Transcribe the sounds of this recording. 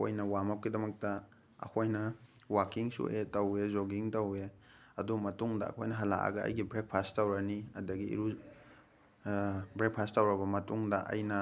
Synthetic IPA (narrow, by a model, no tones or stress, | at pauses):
o̰jnɐwamap̚kidɐmɐk̚tɐ | ɐ̰kʰojnɐwakiŋsṵʔetɐwezoɡiŋtɐwe | ɐdumɐtuŋdɐɐ̰kʰojnɐɦɐla̰ʔa̰ɡɐɐ̰jɡibɾek̚pʰasttɐwɾɐniɐdɐɡiḭɾu | bɾek̚pʰastːɐwɾɐbɐmɐtuŋdɐʔɐ̰jnɐ